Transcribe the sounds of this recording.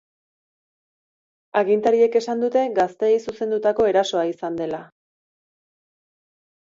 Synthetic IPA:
aɣint̪aɾie̞ke̞sand̪ut̪e̞ɡast̪e̞ːjsuse̞nd̪ut̪ako̞e̞ɾaso̞aisand̪e̞la

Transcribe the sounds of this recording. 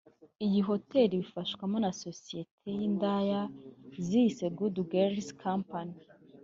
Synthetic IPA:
ijiɦo̞te̞ɾiβifaʃkwamo̞naso̞sije̞tʰe̞jindajaziise̞ɡuduɡeɾskʰampani

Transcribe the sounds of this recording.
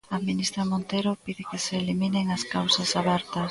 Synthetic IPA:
aminist̪ɾamont̪ejɾopiðɪkɪseːlimineŋɐskawsɐsaβɛɾt̪ɐs

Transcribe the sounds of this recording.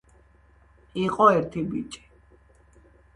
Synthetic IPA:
iqʼɔɛɾt̪ʰibit͡ʃʼi̥

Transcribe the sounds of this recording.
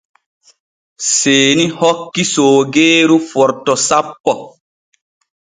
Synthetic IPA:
seːnihɔkːisoːɡeːɾufɔɾtɔsapːɔ

